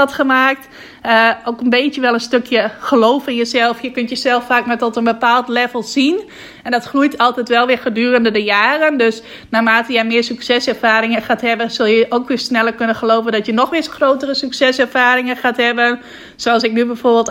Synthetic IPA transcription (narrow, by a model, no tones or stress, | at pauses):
ɔtxəmaːk̚t | əoːkənbeːtjəʋɛlˠənstøkʰjəxəloːfɪnjəsɛlˠfjəkøntjəsɛlˠfaːkmɛtɔtənbəpaːlˠtlɛvəlˠzin | ɛndɔtxrujtʰɔlˠtɛtʋɛlˠʋɪɹxədyːrəndədəjaːrəndøs | naːmaːtəjɛjmɪːɹsyksɛsɛɹfaːɾɪŋəxaːthɛbəsølˠjəʔoːkʋɪsnɛlˠəɹkønənxəloːvəndɔtjənɔxʋɪsxroːtərəsyksɛsɛrfaːɾɪŋəxaːthɛbən | soɑlˠsɪk̚nybɛfoːrbɪːlˠt